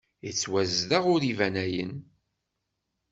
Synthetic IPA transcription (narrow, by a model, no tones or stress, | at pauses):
it͡sːwæzðaʁʊɾivænæjə̰n